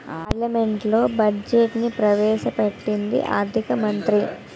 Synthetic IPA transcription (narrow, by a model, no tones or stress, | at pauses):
aːɾlɐme̞ɳʈlo̞ːbɐd͡ʒeʈnipɾɐʋɛːʃɐpeʈːind̪ḭʔa̰ːɾd̪ʱikɐmɐnt̪ɾi